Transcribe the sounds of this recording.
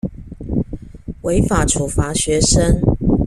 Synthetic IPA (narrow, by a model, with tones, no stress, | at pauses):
we˧˦ɪfa˨˩ʈ͡ʂʰu˨˩fa˨˥˦ɕɥɛ˨˦ʂə˦ŋ